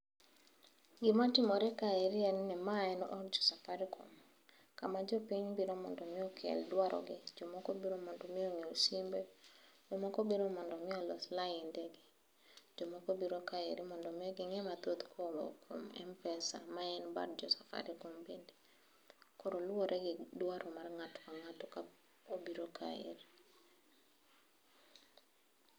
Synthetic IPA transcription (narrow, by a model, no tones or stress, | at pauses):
ɡɪmatɪmɔɾɛkaeɾiɛnnɛmaɛnɔʔɔɾd͡ʒɔ̥safaɾikʰo̰m | kamad͡ʒɔpiɲbiɾomɔndɔmɪɔkʰɛ̰ldwaɾʔɔ̰ɡɪd͡ʒomɔkobiɾomɔndɔmioŋeosimbed͡ʒomɔkobiɾomɔndɔmɪɔlɔ̰slaindeɡɪ | d͡ʒomɔkobiɾokaḛɾimɔndɔmɪɔɡɪŋɛmat̪ot̪kʰomo̰kʰomɛ̰mpɛsa̰maɛnba̰ɾd͡ʒɔsafa̰ɾikombindi | koɾolwoɾʔɛɡɪdwaɾʔɔmarŋatkaŋatɔka | obiɾoka̰ḛɾi